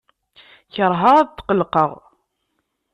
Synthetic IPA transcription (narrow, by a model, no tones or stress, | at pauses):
çəɾˤɦaʁæðt̪ːqəlqəʁ